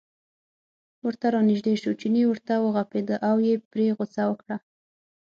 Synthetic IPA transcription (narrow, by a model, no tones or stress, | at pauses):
wəɾt̪aɾɑnɪʒd̪eʃot͡ʃiniwəɾt̪awəɣaped̪əʔawjepɾeɣosawəkɽa